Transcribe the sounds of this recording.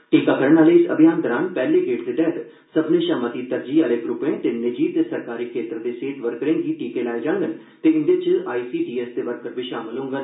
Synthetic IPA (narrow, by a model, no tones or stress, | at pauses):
ʈiːkaːkəɾəɳaːleɪsɐ̰bʱijaːnd̪əɾaːnpɛːleɡeːʈd̪eɖ̪ɛːt̪ | səbneʃaːmət̪iːt̪əɾd͡ʒiːaleɡɾʊpẽːt̪enɪd͡ʒiːt̪esəɾkaːɾiːkʰeːt̪ɾəd̪eseːʈʋəɾkəɾẽːŋɡiːʈiːkelaːed͡ʒaːŋɡən | t̪eɪ̃nd̪et͡ʃaːisiːʈiːest̪eːʋəɾkːəɾbiʃaːmɪlɦʊ̃ːŋɡaː